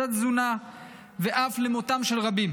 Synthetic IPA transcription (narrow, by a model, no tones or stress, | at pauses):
at̪zuna | veʔaflemot̪amʃelʁabim